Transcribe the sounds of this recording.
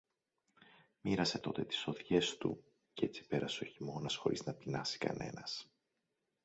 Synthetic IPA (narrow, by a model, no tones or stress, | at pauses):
miɾɐse̞t̪o̞̰t̪e̞t̪i̥so̞ðʝe̞st̪ṵ | ce̞t͡si̥pe̞ɾɐseo̞çimo̞nɐsxo̞̰ɾḭznɐpinɐsi̥kɐ̰ne̞̰nɐs